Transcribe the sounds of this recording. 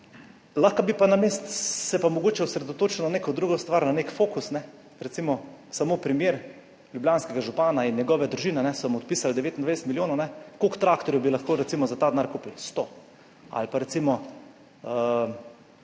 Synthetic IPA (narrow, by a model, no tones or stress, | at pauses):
laxkabipanameːst̪sɛpamɔɡoːt͡ʃɛusɾɛd̪ot̪oːt͡ʃɛlɔneːkɔd̪ɾuɡɔst̪ʋaɾnanekfoːkusnɛ | ɾɛt̪simɔsamoːpɾimjeːɾ | ljubljanskɛɡaʒupaːnainjɛɡɔːʋɛd̪ɾuʒiːnɛnɛsɔmɔt̪̚piːsald̪ɛʋeːt̪ind̪ʋɛjsɛt̪miljoːnɔnɛkokt̪ɾakt̪ɔɾjubilaxkoːɾɛt̪simɔzat̪aːd̪naːɾkuːpilst̪o | a̰lpaɾɛt̪simɔ | ə